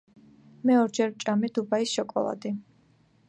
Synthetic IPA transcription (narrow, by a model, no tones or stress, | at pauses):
mɛɔɾd͡ʒɛɾt͡ʃʼamid̪ubaisʃɔkʼɔ̰lˠa̰d̪i